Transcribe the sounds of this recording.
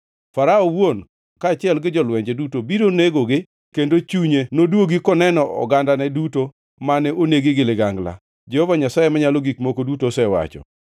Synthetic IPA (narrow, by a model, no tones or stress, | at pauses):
faɾaɔwon | kaːt͡ʃɪɛlɡɪd͡ʒɔlwɛɲd͡ʒedutobiɾoneɡoɡɪ | kendot͡ʃuɲenodwoɡikɔnɛnɔʔɔ̰ɡandanɛduto | manɛoneɡɪɡɪlɪɡaŋɡla̰ | d͡ʒɛhɔvaɲasajemaɲalɔɡikmokodutosɛwa̰t͡ʃɔ̰